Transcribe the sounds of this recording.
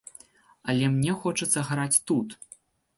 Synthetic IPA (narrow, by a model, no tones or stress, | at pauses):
ɐlʲɛmnʲɛxɔt͡ʂɐt̪sːɐɣɾat͡sʲt̪ut̪